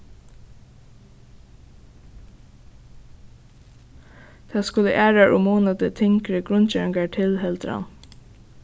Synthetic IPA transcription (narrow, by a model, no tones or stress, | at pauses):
t̪ʰɑːskʊlə̰ʔæːɹaʔʊ̰moːnɑd̪ət̪ʰɪŋkɾəɡɾʊnt͡ʃɛːɹɪŋɡaɹʈʰɪlɦɛlt̪ɾɑ̰n